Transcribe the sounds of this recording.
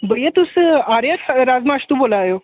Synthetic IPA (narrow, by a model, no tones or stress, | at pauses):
bəjet̪usaɾeɾad͡zmaɕt̪uːbolajo